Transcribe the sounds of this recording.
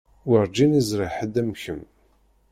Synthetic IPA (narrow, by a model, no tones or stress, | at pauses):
wəɾˤd͡ʒinizɾˤɪħəd̪æmçəm